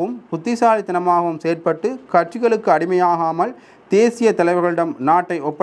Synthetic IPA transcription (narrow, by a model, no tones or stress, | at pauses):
ɯmpʊt̪ːɪsaːlɪt̪ːɪnɐmaːɣɐʋɯmseːɾpɐʈːɯkɐʈ̚t͡ʃɪɣɐɭɯkːɯɐɽɪmɐjaːɣaːmɐl | d̪eːsɪjɐt̪ɐlɐɪʋɐɾɣɐɭɯɽɐmnaːʈːɐɪʔɔpːɐ